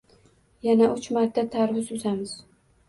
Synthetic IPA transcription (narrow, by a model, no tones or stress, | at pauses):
janaʔʊt͡ʃmaɾt̪ʰːat̪ʰaɾwʊzʊzamɪz